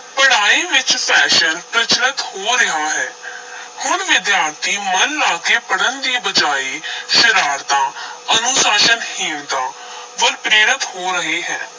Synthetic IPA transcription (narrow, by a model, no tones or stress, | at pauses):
pəɽaːiːʋɪt͡ʃpʰɛːʃənpɾət͡ʃnət̪hoːɾɪɦaːɦɛːhʊnʋɪd̪jaːɾt̪iːmənlaːkeːpəɽənd̪iːbəd͡ʒaːiːʃəɾaːɾt̪ãːənʊsaːʃənhɪnt̪ãː | ʋəlpɾeːɾət̪hoːɾəɦeːɦɛː